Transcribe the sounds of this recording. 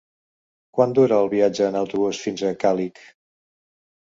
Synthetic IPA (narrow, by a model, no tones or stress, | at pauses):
kwand̪uɾəːlˠβiad͡ʒəːnəwt̪uβusfinzəkalik